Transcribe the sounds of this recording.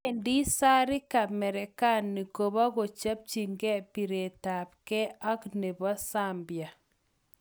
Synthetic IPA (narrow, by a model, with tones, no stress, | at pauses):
ɛndi˦sa˦ɾi˦ka˨mɛ˨ɾɛ˨ka˦nːi˨ko˨βa˦ɡo˨t͡ʃa˦p̚t͡ʃi˨ŋɡɛ˦pi˨ɾe˨ta˨p̚kɛ˦a˦knɛ˨bɔ˦sambja˨